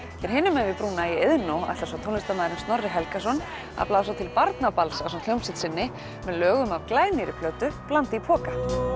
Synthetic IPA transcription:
cɛɾ̥ɦɪːnːʏmɛðvɪpɾuːnaieðnowa̰t̪ḁsawt̪ʰownɪst̪amaːjðɪɾʏɪmst̪nɔrːɪɦɛlkas̬ɔn | a̰ðplaːwsat̪ʰɪlpaɾt̪napalsasɔnt̪ljowmsɪt̪sɪnːɪ | mɛðlœːɣʏmavklaːjniɾɪpʰlœːt̪ʏplant̪ɪipʰɔːka

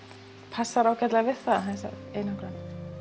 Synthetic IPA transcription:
pʰasːaɾaːwcat̪laɣvɪð̥θaðaɦaɛsa̰eːjnakɾaːnɪ

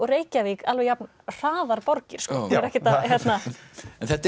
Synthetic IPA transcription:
ɔreːjcavɪkalvɛjapn | r̥aːðaɾpɔɾcɪɾ̥skɔɾɛhcɪt̪ahjɛt̪naɛnθɛt̪ː

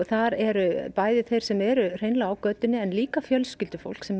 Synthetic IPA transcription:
θaɾɛɾʏpaːjðɪθejɾ̥sɛmɛɾʏr̥ejnlaːwkœːt̪ɪnːɪɛnliːkafjœlscɪlt̪ʏfo̰wl̥ksɛm

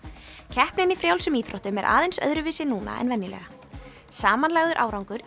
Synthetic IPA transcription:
cʰɛhpnɪnifɾjawlsɛmiːθɾɔht̪ʏmɛɾʔa̰ːðejnsœ̰ðɾʏvɪːsɪnuːna̰ɛ̰nvɛnːɪlɛ̰ɣa | saːmanlaɣðʏɾʔaːwɾawŋkʏɾ

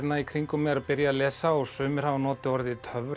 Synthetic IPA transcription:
t̪naikʰɾiŋkʏmɛːðɾapɪɾjalɛːsaɔɣsʏːmɪɾ̥anɔːt̪ɪɔɾðɪt̪ʰœv

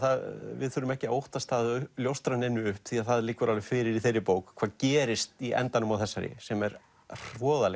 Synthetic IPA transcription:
θaðvɪ̰ðθʏːɾʏmɛhcɪaowht̪ast̪aːðljowst̪ɾanɪnːʏʏhpθiaðθaðlɪːkːʏɾʔalvɪfɪːɾɪɾiθejɾɪpoːwkkʰvaːðcɛːɾɪst̪iʔɛ̰nt̪anʏmawθɛsːaɾɪ̰sɛmɛɾ̥ | r̥ɔːðalɛ

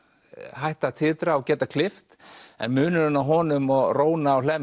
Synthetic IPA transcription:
hajht̪at̪ʰɪːt̪ɾaɔɣcɛːt̪akʰlɪft̪ɛ̰nmʏːnʏɾʏnaɦɔːnʏmɔɣroːwnaːwl̥ɛːm

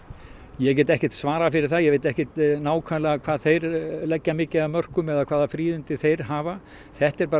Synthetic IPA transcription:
jɛc̬ɛːt̪ɛhcɛht̪svaːɾafɪɾɪɾ̥θaðjɛɣvejt̪ɛhcɛt̪naːwkʰɛlaɣakʰv̥aːðθejɾlɛcːamɪːcɪamœr̥kʏmɛðakʰvaːðafɾiːðʏnt̪ɪθejɾ̥ɦaːva | θɛht̪ɛɾpaː

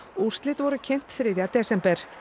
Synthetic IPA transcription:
ur̥st̪lɪt̪vɔɾʏcʰɛn̥t̪θɾɪðjat̪ɛsɛmpɛɾ̥

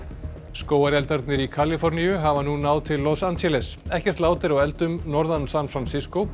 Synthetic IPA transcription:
skoːwaɾjɛlt̪aɾt̪nɪɾikʰalɪfɔɾnijʏɦavanunawðt̪ʰɪlːɔsansʰɛlɛsɛhcɛr̥t̪laːwt̪ɪɾawɛlt̪ʏmnɔɾðansanfɾansɪskow

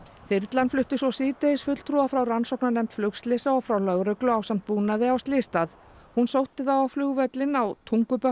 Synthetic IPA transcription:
θɪɾt̪lanflʏht̪ɪsɔsiːt̪eɪsfʏt̪lt̪ʰɾuafɾawransɔwhknanɛjm̥t̪flʏkst̪lɪsaɔfɾawlœɣɾœklʏaːwsam̥t̪̚puːnaðɪawst̪lɪːst̪að | hunsowht̪ɪθawawflʏːɣvœt̪lɪnawt̪ʰuŋkʏpœ

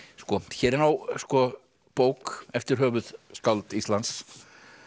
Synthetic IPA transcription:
skɔçɛːɾɪnawskɔ | poːwkɛft̪ɪɾ̥ɦœːvʏð̥skawlt̪ist̪lans

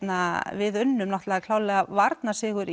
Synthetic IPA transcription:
navɪðʏnːʏmnaht̪lɛːɣakʰl̥aːwlɛːɣavaɾt̪nasɪːɣʏɾ

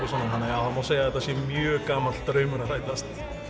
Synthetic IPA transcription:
ʏsɔnːaɦanːajaðamawseːjaðɛːt̪asjɛmjœːkaːmalt̪ːɾœːɥmʏnaraːjt̪ast̪

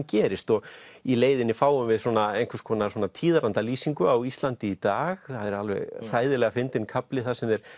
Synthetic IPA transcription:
mcɛːɾɪst̪ɔɣ | ileːjðɪnːɪfaːwʏmvɪðswɔːnaejŋkʰʏ̥skʰɔːnawɔːnat̪ʰiːðaɾant̪aliːsiŋkʏawist̪lant̪ɪːt̪aːɣθaðɛɾalvɛ̰ɣr̥aːjðɪlɛːɣafɪnt̪ɪnkʰaplɪθaðsɛmɛɾ̥

